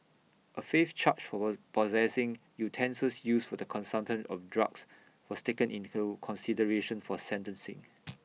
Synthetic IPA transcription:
ʔəfeft͡ʃʰat͡ʃfɔpɔzɛsɪ̃ŋ | jutʰɛ̃nsəsjusfɔdəkʰɔ̃nsãmpʃə̃nɔ̰fdɹa̰ks | wɔstekə̃nʔĩntukʰɔ̃nsidəɹeʃə̃nfɔsɛ̃ntə̃nsɪ̰̃ŋ

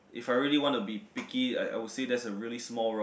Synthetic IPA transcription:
ʔɪfaɪɹiliwɔ̃ntubipɪkia̰ɪa̰ɪwʊdsedɛsəɹilismɔlˠɹo

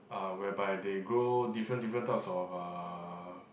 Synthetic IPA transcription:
awɛbajdeɡɹodifɹə̃ndifɹə̃ntaɪpsɔfa

